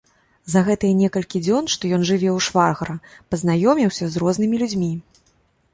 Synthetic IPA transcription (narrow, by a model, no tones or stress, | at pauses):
zɐɣɛt̪ɨjɐnʲɛkɐlʲkʲid͡zʲɔnʂt̪ɔjɔnʐɨvʲɛwʂvarɣɐɾɐpɐznajɔmʲiwsʲɐzrɔznɨmʲilʲud͡zʲmʲi